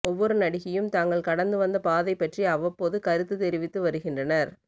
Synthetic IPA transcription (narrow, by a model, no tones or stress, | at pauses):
ɔʋːɔɾɯnɐɽɪɣɐjɯmt̪aːŋɡɐɭkɐɽɐnd̪ɯʋɐnd̪ɐpaːðɐɪpːɐʈriɐʋɐpːoːðɯkɐɾɯt̪ːɯt̪ɛɾɪʋɪt̪ːɯʋɐɾɯɣɪndrɐnɐɾ